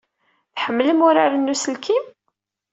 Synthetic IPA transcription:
θħəmːləmʊɾaɾənːusəlkʰim

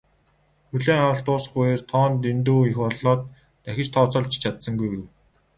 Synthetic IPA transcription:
xɵɮeːŋawə̆ɬt̪ʊːsχʊjeːrt̪ʰɔːnt̪̬int̪̬uːixɔɮɔːt̪ː | æxʲɪ̆t͡ɕt̪ʰɔːt͡sɔ̆ɮt͡ɕt͡ɕʰat̪sə̆ŋɡujɣuj

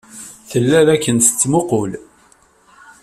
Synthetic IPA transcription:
θəlːæðækːənsə̥t͡sːmʊqʊl

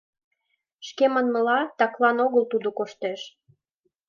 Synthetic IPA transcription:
ʃkemə̆nməlɑt̪ɑklɑnoɣəlt̪ud̪okoʃt̪eʃ

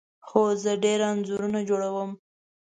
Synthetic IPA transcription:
xozəɖeɾaanzuɾunad͡ʒoɽawəm

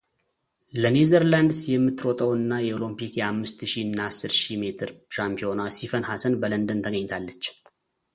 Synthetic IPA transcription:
lənezəɾland̪sjɛmːɨt̪ːɾot̪ʼəwɨnːajɛolompikjɛamːɨst̪ʃiɨnːaasːɨɾʃime̞t̪ʰɨɾʃampʰio̞nasifənhasənbələnd̪ɨnt̪ʰəɡəɲːt̪ʰalːət͡ʃː

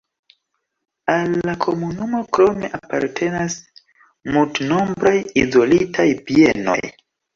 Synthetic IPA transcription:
alːakʰo̞munumo̞kɾo̞me̞ʔapaɾtʰe̞nas | multno̞mbɾajizo̞litʰajpieno̞̰jj

